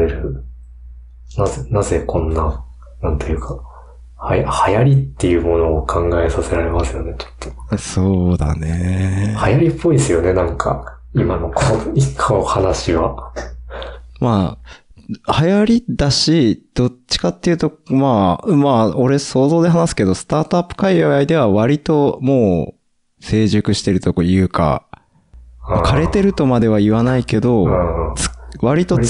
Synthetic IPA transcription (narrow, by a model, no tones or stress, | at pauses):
eɾɯ̟ | nazenaze̞kʰõ̞nːa | nãnt̪ojɯ̟ːkʰa | hajahajaɾʲit̪ːe̞jɯ̟mo̞no̞ːkʰãŋɡae̞sase̞ɾaɾe̞masɨjo̞ne̞t͡ɕo̥t̪ːo̞̥so̞ːd̪a̰ne̞hajaɾʲipʰːo̞iesɨjo̞ne̞nãŋkʰa̰ | imanokʰoikʰːaohanaɕiβa | maː | hajaɾʲid̪aɕid̪̥o̞t͡ɕːi̥kat̪ːe̞jɯ̟ːt̪o̞maːmao̞ɾe̞so̞ːzo̞ːd̪eɦanasɨ̥ke̞d̪o̞sɨ̥t̪aːt̪oapːɯ̥kaiβaaid̪e̞β̞aβ̞aɾʲit̪o̞mo̞ː | se̞ːʑɨkɯ̟ɕi̥t̪e̞ɾɯ̟t̪o̞kojɯ̟ːka̰ | akʰaɾe̞t̪e̞ɾɯ̟t̪o̞mad̪e̞βaiβanaike̞d̪õ̞t͡sɨ̥βaɾʲit̪o̞t͡s